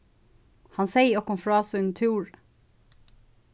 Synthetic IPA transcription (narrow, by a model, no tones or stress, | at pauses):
hɑnseɪɔkʊmfɹɑːsʉnt̪ʰʉːɹ